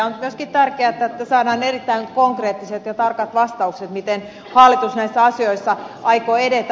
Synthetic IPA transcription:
onmyøskit̪t̪ærkeæet̪ːæet̪ːæsɑːdɑːnerit̪ːæiŋkoŋkreːt̪ːiset̪jɑt̪ɑrkɑt̪ʋɑst̪ɑukset̪mit̪en | hɑˑlːˑit̪usnæisːæɑsioisːɑʔɑikoːedet̪

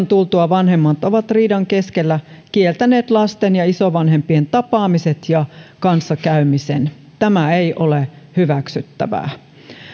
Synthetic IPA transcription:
nt̪ulˠt̪uɑʋɑnɦe̞mːɑt̪oʋɑt̪riːdɑŋke̞skelːækielt̪æne̞ːt̪lɑst̪enjɑisoʋɑnhe̞mpient̪ɑpɑːmiset̪jɑkɑnsːɑkæymisen | t̪æmæejʔolehyʋæksyt̪ːæ̰ʋæ̰ː

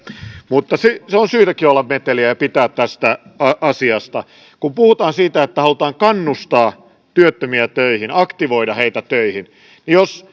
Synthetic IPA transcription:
mut̪ːɑseseonsyːt̪ækiolːɑmmet̪eliæjɑpit̪æːt̪t̪æst̪æɑʔɑsiɑst̪ɑ | kumpuhut̪ɑːnsiːt̪æet̪ːæhɑlut̪ɑːŋkɑnːust̪ɑː | t̪yøt̪ːømiæt̪øihinɑkt̪iʋoidɑheit̪æt̪øihin | nijos

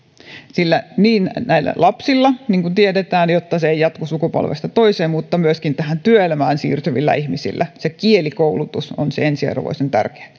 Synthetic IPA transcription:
silːæniːnnæilːæ̰lʔɑpsilːɑniːŋkunt̪iedet̪æːnjot̪ːɑseejjɑt̪kusukupo̰lʋḛst̪ɑt̪oiseːmmut̪ːɑmyøskint̪æhænt̪yøelmæːnsḭːrt̪yʋilːæ̰ihmisḭlːæsekielikoulut̪uso̰nseensiɑ̰rʋo̰isent̪æ̰rke̥ː

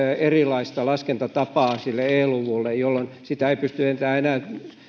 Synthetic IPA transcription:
erilɑist̪ɑlɑskent̪ɑt̪ɑpɑːsilːeeːluʋulːejjolːonsit̪æeipyst̪yent̪æːenæːˑt̪

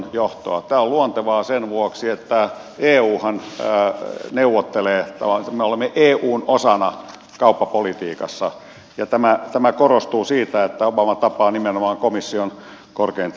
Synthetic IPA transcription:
joht̪oɑt̪æːoluont̪eʋɑːsenʋuoksiet̪ːæ | eːuːhɑn | neuʋot̪ːeleːt̪æʋɑmeolemːeʔeːʔuːnosɑnɑ | kɑupːɑpolit̪iːkɑsːɑ | jɑt̪æmæt̪æmækorost̪uːsiːt̪æet̪ːæopɑmːɑt̪ɑpɑːnimenomɑːŋkomisːion | korkein

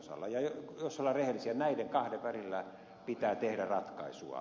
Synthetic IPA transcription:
sɑ̰lːɑjɑjosːolːɑrrehelːisiænæideŋkɑhdeʋʋærilːæ | pit̪æːt̪ehdærɑt̪kɑ̰isṵɑ̰

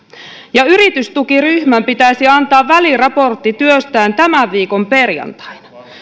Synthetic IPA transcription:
jɑyɾit̪yst̪ukiryhmæmpit̪æjsiɑnt̪ɑːʋːælirɑpo̞rt̪ːit̪yøst̪æːnt̪æmæʋːiːko̞mpe̞rjɑ̰nt̪ɑ̥jnɑ̥

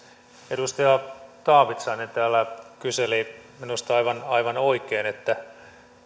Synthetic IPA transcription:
edust̪ɑjɑt̪ɑːʋit̪sɑinent̪æːlːækyseliminust̪ɑiʋɑnɑiʋɑnoikˑeːnet̪ːæ

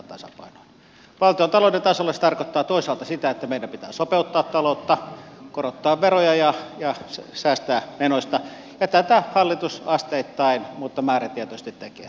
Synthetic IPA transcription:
t̪ɑsɑ̰pɑ̰ˑinojɑ | ʋɑlt̪iont̪ɑlonent̪ɑsolːest̪ɑrkot̪ːɑːt̪oˑisɑːˑlt̪ɑsit̪æet̪ːæmeˑidæmpit̪æ̰ːsopeut̪ːɑːt̪t̪ɑlot̪ːɑkorot̪ːɑːʋʋerojɑjɑjɑssæːst̪æːmenosʲt̪ɑ | jɑt̪æt̪æhɑlːit̪usɑst̪eit̪ːɑinmut̪ːɑmæːræt̪iet̪oist̪it̪t̪ekḛː

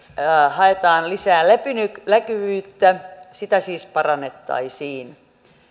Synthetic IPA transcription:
hɑet̪ɑːnlisæːlepynyklækyʋyːt̪ːæsit̪æsiːspɑrɑnːet̪ːɑ̰isiːn

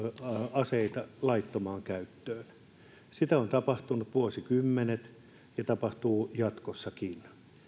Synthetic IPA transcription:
ɑseit̪ɑlɑit̪ːomɑːŋkæyt̪ːøːn | sit̪æont̪ɑpɑht̪unut̪ʋuosikymːenet̪ | jɑt̪ɑpɑht̪uːjɑt̪kosːɑkin

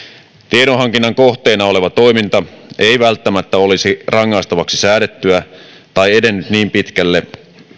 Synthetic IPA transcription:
t̪ieɾoɦɑŋk̟inːɑŋko̞ht̪eːnɑo̞le̞ʋɑt̪o̞jmint̪ɑʔe̞ijʋælt̪ːæmæt̪ːæo̞lisirɑŋːɑst̪ɑʋɑksi̥sæːɾe̞t̪ːyæ | t̪ɑje̞de̞nːyt̪niːmpit̪kælːe

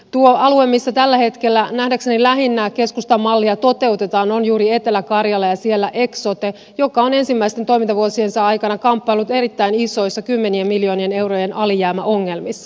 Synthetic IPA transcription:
t̪uoɑluemːisːɑt̪ælːæhe̞t̪ke̞lːænæhdæksenilæɦinːæke̞skust̪ɑmɑlːiɑt̪o̞t̪e̞ut̪e̞t̪ɑːno̞njuːɾie̞t̪e̞lækɑrjɑlːɑjɑsie̞lːæʔe̞ksot̪e | jo̞kɑo̞ne̞nsimːæist̪ent̪oimint̪ɑʋuosie̞nsɑɑjkɑnɑkɑmpːɑilːut̪e̞ɾit̪ːæiniso̞jsːɑkymːe̞niemmiljo̞ːnie̞ne̞wroje̞nʔɑlijæːmæʔo̞ŋːe̞lmisːɑ

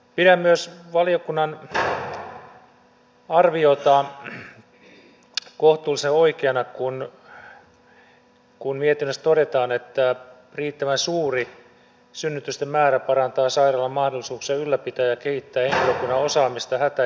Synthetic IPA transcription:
piɾæmmyøsʋɑlijokunːɑn | ɑrʋiot̪ɑ | koht̪uːliseoikeɑnɑkun | kunmiet̪inːøst̪oɾet̪ɑːnet̪ːæ | riːt̪ːæʋænsuːri | synːyt̪yst̪emmæːɾæpɑrɑnt̪ɑːsɑirɑlːɑmɑhdolːisuːksiɑylːæpit̪æːjɑkehit̪ːæːheŋkiløkunːɑosɑːmist̪ɑhæt̪æ

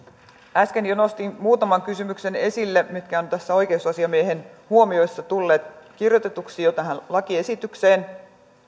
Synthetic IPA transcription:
æske̞njono̞st̪imuːt̪ɑmɑŋkysymykse̞ne̞silːemit̪kæont̪æsːæo̞jk̟eusɑsiɑmieɦe̞nhuo̞mio̞jsːɑt̪ulːe̞ːt̪k̟irjo̞t̪e̞t̪uksijot̪ɑɦænlɑkie̞sit̪ykse̞ːn

